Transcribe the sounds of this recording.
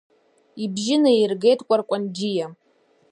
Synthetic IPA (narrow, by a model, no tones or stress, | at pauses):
ibʒɪnairɡe̞jtʰʼkʷʼarkʷʼand͡ʒija